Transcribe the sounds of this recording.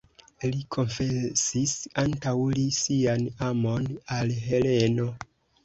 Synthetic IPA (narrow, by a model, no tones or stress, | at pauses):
likʰo̞nfesisantawlisianamo̞nalɦe̞le̞no̞